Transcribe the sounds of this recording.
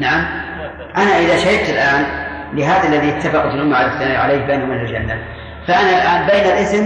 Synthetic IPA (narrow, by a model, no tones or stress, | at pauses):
naʕam | ʔanaʔɪðaʃahɪt̪ɪlʔaːn | lɪɦaːðalːaðiʔɪt̪ːafɑqt̪lʔʊmːaʕaɾɪft̪anaʕaleːk̚beːnumɪnald͡ʒanːal | faʔanalʔaːnbeːnalʔɪsn